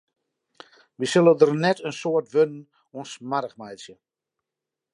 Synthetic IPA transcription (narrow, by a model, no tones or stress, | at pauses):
ʋisølədərnɛtʰənsoətʋønən | onsmaɾəχmajsjə